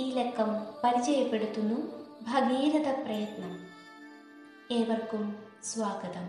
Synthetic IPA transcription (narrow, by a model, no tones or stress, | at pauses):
iːlekʰːɐmpɐɾit͡ɕɐjɐpːe̞ɽut̪ːunːubʱɐɡiːɾɐd̪ɐprɐjɐt̪nɐm | eːʋɐrkum | sʋaːɡɐd̪ɐm